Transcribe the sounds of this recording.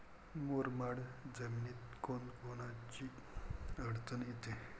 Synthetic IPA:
moɾmaɽd͡zəminiːt̪̚konkonat͡ɕiː | əɽt͡sənjet̪e

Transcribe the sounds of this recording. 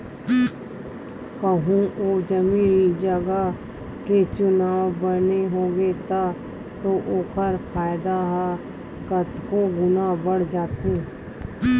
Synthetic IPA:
kəɦũʔoːd͡ʒəmĩːnd͡ʒəɡa | ket͡ʃʊnaːʋbəneɦoːɡet̪a | t̪oʔoːkəɾpʰaːjɪd̪aɦa | kət̪koɡʊnaːbəɽ̤d͡ʒaːt̪ʰeː

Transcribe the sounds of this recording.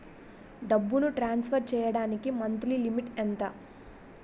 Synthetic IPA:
ɖɐbːuluʈɾaːnspʰɐɾt͡ʃɛːjɐɽaːnikimɐnt̪lilimiʈɛnt̪ɐ

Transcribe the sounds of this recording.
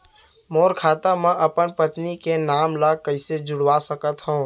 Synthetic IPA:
moːɾkʰaːt̪amẽʔəpənpət̪nikenaːmlakəɪsed͡ʒʊɽʋasəkət̪ɦõː

